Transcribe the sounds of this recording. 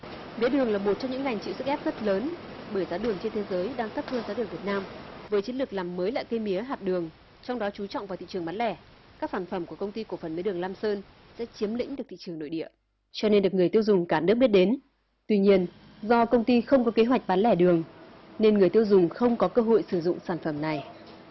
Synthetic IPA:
mi˨˦əɗɨ˨˩əŋlaː˨˩mo˨˩t̚t͡ɕɔ˧ŋ͡mɲɨ˧˥ŋːa˨˩jŋ̟t͡ɕḭ˧˨sɨ˦˥k̚ʔɛ˦˥p̚z̥ə˦˥t̚ləː˨˦n | ɓəː˧˩jzaː˨˦ɗɨ˨˩əŋt͡ɕe˧nt̪ʰe˨˦zəː˨˦jɗaː˧ŋt̪ə˦˥p̚həː˧nzaː˨˦ɗɨ˨˩əŋvi˨˩t̚naː˧mvəː˨˦jt͡ɕi˨˦nlɨ˨˩k̚laː˨˩mːəː˨˦jla̰ː˧˨jkə˧jmi˨˦əɦaː˨˩t̚ɗɨ˨˩əŋ | t͡ɕɔ˧wŋ͡mɗɔ˨˦t͡ɕu˨˦t͡ɕɔ̰˧˨wŋ͡mvaː˨˩t̪ḭ˧˨t͡ɕɨ˨˩əmɓa˨˦nlɛ˧˩ | kaː˦˥k̚saː˧˩nfə˧˩mku˧˩əkə˧wŋ͡mt̪i˧ku˧˩fə˨˩nmi˨˦ɗɨ˨˩əŋlaː˧msəː˧n | sɛ̰˧˥t͡ɕi˨˦əmlḭ̈˧˥ŋɗɨ˨˩k̚t̪ʰḭ˧˨t͡ɕɨ˨˩əŋno̰˧˨jɗḭ˧˨ə | t͡ɕɔ˧ne˧nɗɨ˨˩k̚ŋɨ˨˩əjt̪i˧əwzʊ˨˩ŋ͡mkaː˧˩nɨ˦˥k̚ɓt̚ɗe˨˦n | t̪wi˧ɲi˧ən | zɔ˧kə˧wŋ͡mt̪i˧xə˧wŋ͡mkɔ˨˦ke˨˦ɦwa˨˩k̚ɓa˨˦nlɛ˧˩ɗɨ˨˩əŋ | ne˧nŋɨ˨˩əjt̪i˧əwzʊ˨˩ŋ͡mxə˧wŋ͡mkɔ˨˦kəː˧ɦo̰˧˨jsɨ˧˩zʊ̰˧˨ŋ͡msaː˧˩nfə˧˩mna˨˩j

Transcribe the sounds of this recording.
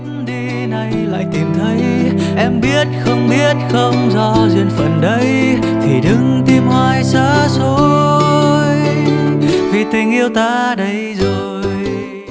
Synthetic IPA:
ɗi˧ | na˨˩jla̰ː˧˨jt̪i˨˩mt̪ʰə˨˦jʔɛ˧mɓi˦˥ət̚xə˧wŋ͡mɓi˦˥ət̚xə˧wŋ͡mzɔ˧zwi˧ənfə˨˩nɗə˨˦j | t̪ʰi˨˩ɗɨ˨˦ŋt̪i˧mhwaː˧jsaː˧˥so˧˦ | jj | vi˨˩t̪ï˨˩ŋ̟ʔi˧əwt̪aː˧ɗə˨˦jzo˨˩ | j

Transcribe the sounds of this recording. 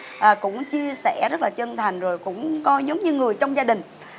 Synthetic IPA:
ʔəː˨˩kʊ̰˧˥ŋ͡mt͡ɕi˧əsɛ̰˧˩zə˦˥t̚laː˨˩t͡ɕə˧nt̪ʰa˨˩jŋ̟zo˨˩jkʊ̰˧˥ŋ͡mkɔ˨˦zə˨˦wŋ͡mɲɨ˧ŋɨ˨˩əjt͡ɕɔ˧wŋ͡mzaː˧ɗï˨˩ŋ̟

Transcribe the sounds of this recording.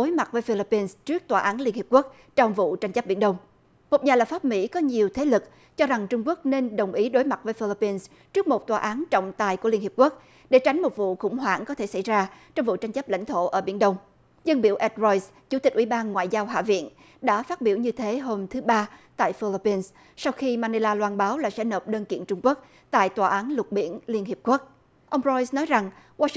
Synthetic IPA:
o˨˦jma˨˩t̚vəː˨˦jfi˧li˦˧pːi˧nst͡ɕɨ˦˥ək̚t̪waː˨˩ʔaː˨˦nli˧ənhi˨˩əp̚ku˦˥ək̚ | t͡ɕɔ˧wŋ͡mvṵ˧˨t͡ɕa˧jŋ̟t͡ɕə˦˥p̚ɓḭ˧˩ənɗə˧wŋ͡m | mo˨˩t̚ɲaː˨˩lə˨˩p̚faː˦˥p̚mḭ˧˥kɔ˨˦ɲi˨˩əwt̪ʰe˨˦lɨ˨˩k̚ | t͡ɕɔ˧za˨˩ŋt͡ɕʊ˧ŋ͡mku˦˥ək̚ne˧nɗə˨˩wŋ͡mʔi˨˦ɗo˨˦jma˨˩t̚vəː˨˦jfi˧li˧˥pːi˧ns | t͡ɕɨ˦˥ək̚mo˨˩t̚t̪waː˨˩ʔaː˨˦nt͡ɕɔ̰˧˨wŋ͡mt̪aː˨˩jkəli˧ənhp̚ku˦˥ək̚ | ɗe˧˩t͡ɕa˨˦jŋ̟mo˨˩t̚vṵ˧˨xʊ̰˧˥ŋ͡mɦwa̰ː˧˩ŋkɔ˨˦t̪ʰe˧˩sa˧˩jzaː˧t͡ɕɔ˧wŋ͡mvṵ˧˨t͡ɕa˧jŋ̟t͡ɕə˦˥p̚la̰˧˩jŋ̟t̪ʰo̰˧˨ʔəː˧˩ɓḭ˧˩ənɗə˧wŋ͡m | zə˧nɓḭ˧˩əwʔɛ˦˥t̚zɔ˧js | t͡ɕu˧˥t̪i˨˩k̟ʔwi˧˩ɓaː˧nŋwa̰ː˧˨jzaː˧wɦa̰ː˧˨vḭ˧˨ən | ɗa̰ː˧˥faː˦˥t̚ɓi˧˩wɲɨ˧t̪ʰe˨˦ɦo˧mt̪ʰɨ˨˦ɓaː˧t̪a̰ː˧˨jfi˧li˦˧pi˧ns | sa˧wxi˧maː˧ni˧laː˧lwaː˧nɓaː˨˦wlaː˨˩sɛ̰˧˥nəː˨˩p̚ɗəː˧nkḭ˧˨ənt͡ɕʊ˧ŋ͡mku˦˥ək̚ | t̪a̰ː˧˨jt̪waː˨˩ʔaː˨˦nlʊ˨˩t̚ɓḭ˧˩ənli˧ənɦi˨˩əp̚ku˦˥ək̚ | ʔə˧wŋ͡mzɔ˧jsnɔ˨˦jza˨˩ŋ | waː˧

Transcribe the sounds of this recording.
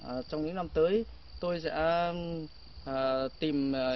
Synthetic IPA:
t͡ɕɔ˧wŋ͡mɲɨ̰˧˥ŋna˧mt̪əː˨˦j | t̪o˧jsɛ̰˧˥˨ | t̪i˨˩m˨˩

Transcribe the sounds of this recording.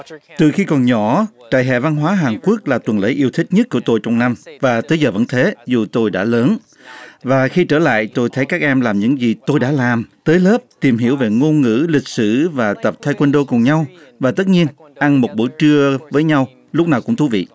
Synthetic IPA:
t̪ɨ˨˩xi˧kɔ˨˩nɲɔ˧˩˦t͡ɕa̰ː˧˨jɦɛ̰˧˨va˧nɦwaː˨˦ɦaː˨˩nku˦˥ək̚laː˨˩t̪wə˨˩nlə̰˧˦jʔi˧əwt̪ʰï˦˥k̚ɲə˦˥t̚ku˧˩ət̪o˧jt͡ɕɔ˧wŋ͡mna˧mvaː˨˩t̪əː˨˦jzəː˨˩və̰˧˥nt̪ʰe˨˦zu˨˩t̪o˧jɗa̰ː˧˥ləː˨˦n | vaː˨˩xi˧t͡ɕəː˧˩la̰ː˧˨jt̪o˧jt̪ʰə˨˦jkaː˦˥k̚ʔɛ˧mlaː˨˩mɲɨ̰˧˥ŋzi˨˩t̪o˧jɗa̰ː˧˥laː˨˩mt̪əː˨˦jləː˦˥p̚t̪i˨˩mɦi˧˩əwve˨˩ŋo˧nŋɨ̰˧˥lï˨˩k̟̚sɨ̰˧˩vaː˨˩t̪ə˨˩p̚t̪ʰaː˧jkwə˧nɗo˧kʊ˨˩ŋ͡mɲa˧wvaː˨˩t̪ə˦˥t̚ɲi˧ən | ʔa˧nmo˨˩t̚ɓṵ˧˥˦jt͡ɕɨ˧əvəː˨˦jɲa˧w | lʊ˦˥k͡p̚naː˨˩wkʊ̰˧˥ŋ͡mt̪ʰṵ˧˦vḭ˧˨

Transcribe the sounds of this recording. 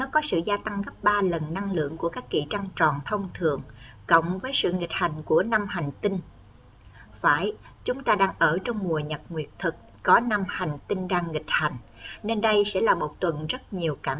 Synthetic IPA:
nɔ˨˦kɔ˨˦sɨ̰˧˨zaː˧t̪a˧ŋɣə˦˥p̚ɓaː˧lə˨˩nːa˧ŋlɨ̰˧˨əŋku˧˩əkaː˦˥kːḭ˧˩t͡ɕa˧ŋt͡ɕɔ˨˩nt̪ʰə˧wŋ͡mt̪ʰɨ˨˩˨əŋ | kə̰˧˨wŋ͡mvəː˨˦jsɨ̰˧˨ŋi˨˩k̟̚ha˨˩jŋ̟ku˧˩əna˧mɦa˨˩jŋ̟t̪ï˧n | faː˧˩j | t͡ɕʊ˨˦ŋ͡mt̪aː˧ɗaː˧ŋʔəː˧˩t͡ɕɔ˧wŋ͡mmu˨˩əɲə˨˩t̚ŋwi˨˩ət̚t̪ʰɨ˨˩k̚ːɔ˨˦na˧mha˨˩jŋ̟t̪ï˧ŋɗaː˧ŋːï˨˩k̟̚ha˨˩jŋ̟ne˧nɗə˧jsɛ̰˧˥laː˨˩mo˨˩t̚t̪wə˨˩nzə˦˥t̚ɲi˨˩əwkaː˧˩m

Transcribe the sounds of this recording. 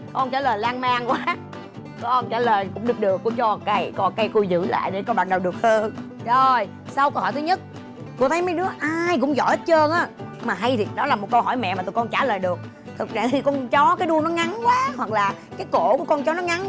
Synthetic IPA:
kɔ˧nt͡ɕaː˧˩ləː˨˩jlaː˧ŋmaː˧ŋkwaː˨˦ | kɔ˧nt͡ɕaː˧˩ləː˨˩jkʊ̰˧˥ŋ͡mɗɨ˨˩ək̚ɗɨ˨˩əkːu˧˩t͡ɕɔ˧˨ka˧jkɔ˧˩ka˧jku˧jzɨ̰˧˥la̰ː˧˨jɗe˨˧˩kɔ˧ɓaː˨˩nɗə˨˩wɗɨ˨˩ək̚həː˧nzo˨˩j | sa˧wkə˧whɔ˧˩jt̪ɨ˨˦ɲə˦˥t̚ | t̪u˧ət̪ʰə˨˦jma˨˦jɗɨ˨˦əʔaː˧jkʊ̰˧˥ŋ͡mzɔ̰˧˩jhe˦˥t̚t͡ɕəː˧nʔaː˨˦maː˨˩ɦa˧jt̪ʰi˨˩ɗɔ˨˦laː˨˩mo˨˩t̚kə˧wɦɔ˧˩jmɛ̰˧˨maː˨˩u˧˨˩kɔ˧nt͡ɕaː˧˩ləː˨˩jɗɨ˨˩ək̚ | t̪ʰɨ˨˩k̚za̰ː˧˩ŋt̪ʰi˨˩kɔ˧nt͡ɕɔ˨˦kaː˨˦jɗu˧ənɔ˨˦ŋa˨˦nkwaː˨˦hwa˨˩k̚laː˨˩kaː˨˦jko̰˧˩˨ku˧˩əkɔ˧nt͡ɕɔ˨˦nɔ˨˦ŋa˨˦n

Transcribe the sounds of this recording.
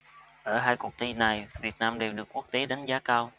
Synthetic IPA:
ʔəː˧˩ɦaː˧jku˨˩ək̚t̪i˧na˨˩jvi˨˩ət̚naː˧mɗe˨˩wɗɨ˨˩ək̚ːu˦˥ək̚t̪e˨˦ɗa˨˦ŋ̟zaː˨˦kaː˧w

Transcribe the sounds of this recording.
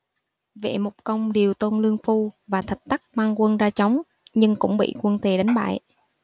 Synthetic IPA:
vḛ˧˩mo˨˩p̚kə˧wŋ͡mɗi˨˩əwt̪o˧nlɨ˧əŋfu˧vaː˨˩t̪ʰə˨˩t̚t̪a˦˥k̚maː˧ŋkwə˧nzaː˧t͡ɕa˨˦wŋ͡m | ɲɨ˧ŋkʊ̰˧˥ŋ͡mɓḭ˧˨kwə˧nt̪e˨˩ɗa˨˦jŋ̟ɓa̰ː˧˨j

